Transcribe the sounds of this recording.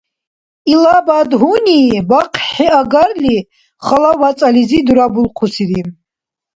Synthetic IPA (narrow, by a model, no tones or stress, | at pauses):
ilabad̪ɦunibaqʰħɛaɡaɾli | χalawat͡sʼalizid̪uɾabulqʰusiɾi